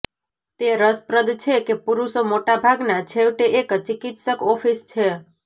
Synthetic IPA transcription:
t̪eɾəspɾəd̪t͡ʃʰekepuɾusomoʈabʱaɡnat͡ʃʰeʋʈeʔekt͡ʃikit̪səkɔfist͡ʃʰe

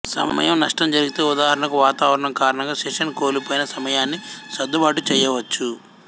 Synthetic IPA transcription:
sɐ̰mɐ̰jɐmnɐʂʈɐmd͡ʒɐɾiɡit̪e̞ːud̪aːɦɐɾɐɳɐkuʋaːt̪aːʋɐɾɐɳɐmkaːɾɐɳɐŋɡaːʃɛʂɐnko̞ːlipo̞ːjinɐsɐmɐjaːnːisɐd̪ːubaːʈut͡ʃɛːjɐʋɐt͡ʃːu

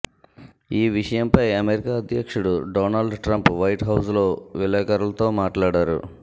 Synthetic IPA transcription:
iːʋiʂɐjɐmpɐjɐmeɾikaːɐd̪jɐkʂuɽuɖɔːnɐlɖʈɾɐmpʋɐjʈɦɐws̬lo̞ːʋilɐːkɐɾɐlɐt̪o̞ːmaːʈlaːɽaːɾṵ

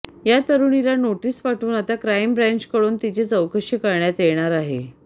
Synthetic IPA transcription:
jat̪əɾuːnilanoʈiːspaʈʰuːnat̪akɾajmbɾãɲt͡ɕkəɽuːnt̪it͡ɕet͡səwkəɕikəɾɳjat̪eɭɳ̃aɾaɦḛ

